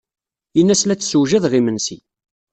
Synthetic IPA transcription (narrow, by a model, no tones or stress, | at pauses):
jənːæslæt͡sːsuwʒəðʁimənsi